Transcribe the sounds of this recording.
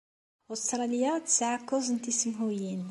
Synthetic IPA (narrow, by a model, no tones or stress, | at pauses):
ʔost̪ɾˤɑljat̪ə̥sʕakːʊzənt̪isəmɦujin